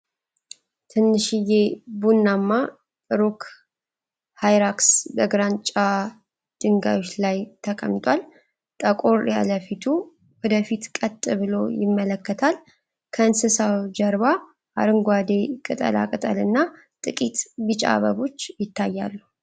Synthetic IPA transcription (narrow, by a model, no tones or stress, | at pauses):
t̪ʰɨnːɨʃijebunːamːa | t̪ʼɨɾuk | hajɾaksbəɡɾant͡ʃʼa | d̪̥ɨŋɡa̰jo̞t͡ʃːlajt̪ʰəkʼə̰mt̪ʼwal | t̪ʼəkʼo̞ɾja̰ləfit̪ʰu | wɔd̪əfit̪kʼət̪ʼːɨβɨlo̞̰jɪmːələkːət̪ʰal | kʰəɨnsɨsawd͡ʒəɾβa | ʔa̰ɾɨŋɡʷwad̪e̞kʼɨt̪ʼə̰la̰kʼɨt̪ʼəlɨnːa | t̪ʼɨkʼit̪bɨt͡ʃʼa̰βə̰βo̞t͡ʃːjɪt̪ʰːajːa̰lːuu